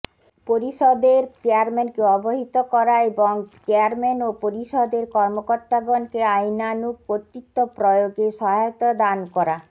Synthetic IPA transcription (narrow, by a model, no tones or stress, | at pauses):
poɾiʃod̪eɾt͡ɕeaɾmenkeɔboɦit̪okɔɾaeboŋt͡ɕeaɾmenopoɾiʃod̪eɾkɔɾmokoɾt̪aɡonkeajnanuk̚pot̪ɾit̪ːopɾojoɡeʃɔɦat̪od̪ankɔɾa